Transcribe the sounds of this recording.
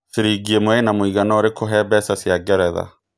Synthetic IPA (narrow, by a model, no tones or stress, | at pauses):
seɾiɡiemoenamoiɣanɔɾekʰoɦɛːbɛsasjaɡɛɾɛða̰